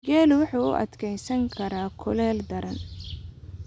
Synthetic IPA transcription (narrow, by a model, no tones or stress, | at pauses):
ɡɛːlʊwʊħuːʊ̰ʔɐ̰d̪kʰɛjsɐŋkʰɐɾaːkʰʊlɛːld̪ɐɾɐn